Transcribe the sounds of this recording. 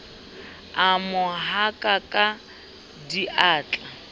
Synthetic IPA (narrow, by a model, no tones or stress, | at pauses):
amʊɦakʼakʼa | diʔaːt͡ɬʼa